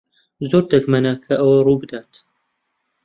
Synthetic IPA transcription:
zoːɾt̪ɛkmɐnɐkʰɐʔɐwɐrubɨd̪aːt̪

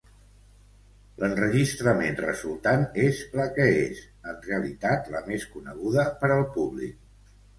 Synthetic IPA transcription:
lənrəʒist̪ɾəmenrə̰zulˠt̪anezləkəez | ənreəlit̪at̪ləmeskunəɣ̞uðəpəɾəlˠpuβlḭk̚

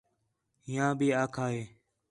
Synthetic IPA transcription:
ɦɪjãːbʱiːaːkʰaːɦeː

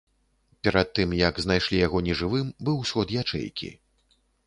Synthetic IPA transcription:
pʲɛɾat̪ːɨmjɐɡznajʂlʲijaɣɔnʲɛʐɨvɨmbɨwsʲxɔt̪jat͡ʂɛ̰jkʲḭ

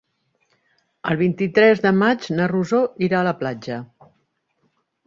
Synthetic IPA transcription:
ə̰lˠβ̞int̪it̪ɾɛzðəmad͡ʒnəruzoiɾaələplad͡ʒə

